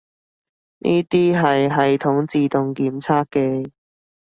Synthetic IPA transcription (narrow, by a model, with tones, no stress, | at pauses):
nʔḭː˥t̪iː˥ɦɐ˨jɦɐ˨jt̪ʰʊ˨˥ŋt͡siː˨t̪ʊ˨ŋkiː˨˥mt͡sʰaː˥kːɛː˧